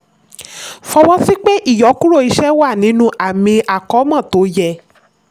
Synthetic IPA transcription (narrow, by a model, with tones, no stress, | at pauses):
fɔ˧wɔ˦si˦k͡pe˦ʔi˦˨jɔ˨˦kũ˦ɾo˦˨i˧ʃɛ˦wa˦˨nĩ˨˦nũ˧˦ʔa˨mĩ˧ʔa˨kɔ˨˦mã˦˨to˨˦jɛ˧˨